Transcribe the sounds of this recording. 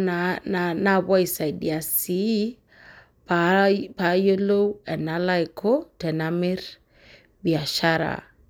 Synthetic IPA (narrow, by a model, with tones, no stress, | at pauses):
nana˦βa˦i˨sa˨i˨di˨a˨si˨˦ | ppa˨jo˦lo˦wɛ˨na˦la˦jkʰo˦tɛ˨namɪ˦ɾ | bi˨a˨ʃaɾa̰˨